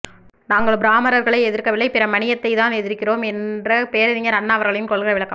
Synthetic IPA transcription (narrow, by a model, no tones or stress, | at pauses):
naːŋɡɐɭbɾaːmɐɾɐɾɣɐɭɐɪɛðɪɾkɐʋɪɭːɐɪpɪɾɐmɐɳɪjɐt̪ːɐɪt̪aːnɛðɪɾkːɪroːmɛndrɐpejɾɪðɪŋɐɾɐnːaːɐʋɐɾɣɐɭɐjɯmkɔɭɣɐɾɐʋɪɭɐkːɐm